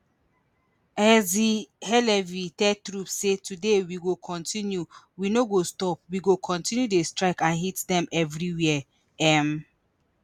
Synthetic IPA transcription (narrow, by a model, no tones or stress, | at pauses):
ɛzihɛlɛvitɛtɹupssetʰudewiɡokʰɔ̃ntʰĩnju | winoɡostɔp̚wiɡokʰɔ̃ntʰĩnjudestɹaɪkãnɦitdɛ̃mɛvɹiwiɛ | ɛm